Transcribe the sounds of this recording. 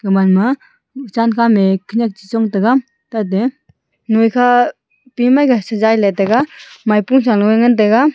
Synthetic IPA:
ɡamanma | ut͡ʃankʰamekʰiɲak̚t͡ʃisɔŋtaɡa | tat̬e | nojkʰa | pimajɡasazajlajtaɡamajpuŋs̬aŋlɔŋaŋant̬aɡa

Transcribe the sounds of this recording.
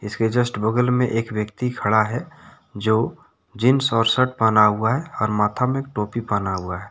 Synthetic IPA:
ɪsked͡ʒəsʈbʊɡəlmẽʔeːkwjəkt̪ikʰəɽaɦɛ | d͡ʒoː | d͡ʒɪnsɔːɾsəʈ̚pənaɦʊaɦɛɔːɾmaːt̪ʰamek̚ʈoːpipənaɦʊaɦɛː

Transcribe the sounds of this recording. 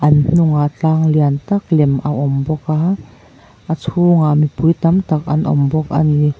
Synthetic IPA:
ʔɐnn̥ʊŋat͡ɬaːŋliant̪ak̚lɛmʔaʔɔmbɔka | ʔat͡sʰuːŋamipujt̪ɐmt̪ak̚ʔɐ̰nʔɔ̰mbɔk̚a̰ni

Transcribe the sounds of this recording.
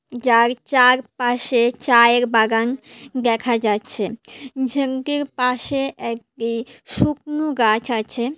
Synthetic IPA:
d͡ʑaɾt͡ɕaɾpaʃet͡ɕaeɾbaɡand̪ɛkʰad͡ʑatːɕʰed͡ʑʱəŋkeɾpaʃeʔɛk̚ʈiʃuk̚noɡat͡ɕʰat͡ɕʰe

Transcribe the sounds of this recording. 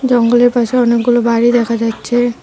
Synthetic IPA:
d͡ʑɔŋɡoleɾpaʃeɔnek̚ɡulobaɾid̪ɛkʰad͡ʑatːɕʰe

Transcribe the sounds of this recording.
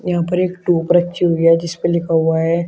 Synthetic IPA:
jɐɦãpɐɾeːkʈuːpɾɐkt͡ʃiɦoːɡjaɦɛd͡ʒɪspəlɪkʰaɦuaɦɛː

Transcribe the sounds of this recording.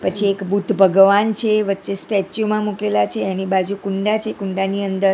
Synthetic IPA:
pət͡ʃʰiekbut̪ʰbʱəɡʋant͡ʃʰeʋətːʃesʈett͡ʃjomãmukelat͡ʃʰeɛnibad͡ʒukuɳɖat͡ʃʰekũɳɖaniənd̪əɾ

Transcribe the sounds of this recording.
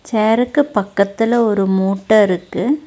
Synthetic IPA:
t͡ʃeːɐɾɯkːɯpɐkːɐt̪ːɪlɐɔɾɯmuːʈːɐɪɾɯkːɯ

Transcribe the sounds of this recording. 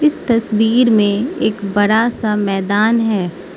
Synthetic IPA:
ɪst̪ɐswiːɾmẽeːkbɐɽasamɛːd̪aːnɦɛː

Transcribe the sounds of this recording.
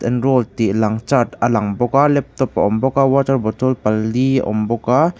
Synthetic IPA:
tɛnɾolt̪ilaŋt͡ʃat̪alaŋbɔkalɛp̚t̪ɔpaʔɔmbɔkawɔt̪əɾbɔt̪ɔlpaliɔ̰mbɔka

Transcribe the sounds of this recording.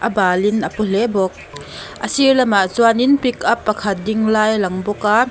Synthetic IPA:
ʔɐbaːlinʔəpul̥ebɔk̚ | ʔəsiɹlɛmaʔzuaninpikʰɐpːɐkʰɐt̪̚diŋlaːjlɐŋbɔka

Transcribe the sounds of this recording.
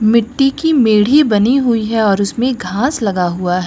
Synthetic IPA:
mɪʈːikimeːɽ̤ibɐniɦʊiɦɛɔːɾʊsmẽɡʱãːslɐɡaɦuaɦɛ

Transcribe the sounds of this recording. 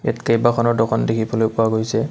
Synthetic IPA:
ɛ̰tkajbakʰɔnɔɹdɔkʰɔndekʰibɔlojpʊaɡojsɛ

